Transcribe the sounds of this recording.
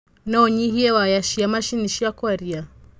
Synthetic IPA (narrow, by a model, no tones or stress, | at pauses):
naɔɲihiɛwajaʃiamaʃiniʃiakwaɾia